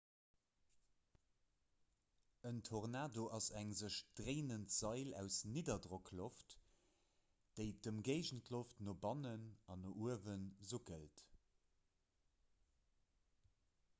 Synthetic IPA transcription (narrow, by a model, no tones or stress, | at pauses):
əntʰoʁnaːdoʔɑzæŋzəʃd̥ʁeɪnəntz̥ɑɪlæ̰ʊsniːdɐdʁokʰloft | d̥əɪdəmɡeɪʒəntʰloftnobɑnənɑnoʔuəvənzoɡə̰lt